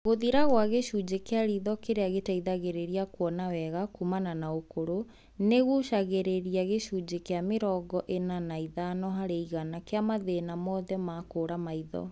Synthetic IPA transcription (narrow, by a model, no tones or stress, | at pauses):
ɣoðiɾaɣwaɣeʃud͡ʑekeaɾiðɔkeɾeaɣetaiðaɣeɾeɾiakwɔnawɛɣakumananaokoɾo | neɣuʃaɣeɾeɾiaɣeʃud͡ʑekeameɾɔɡɔʔenanaiðanɔɦaɾeiɣanakeamaðenamɔðɛmakoɾamaiðɔ̰